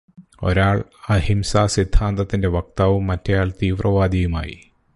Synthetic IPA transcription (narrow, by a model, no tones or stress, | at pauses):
o̞̰ɾaːɭɐhimsaːsid̪ʱaːnd̪ɐt̪ːinde̞ʋɐk̚t̪aːʋumːɐtːejaːlt̪iːʋrʔɐʋaːd̪ijuma̰ːjḭ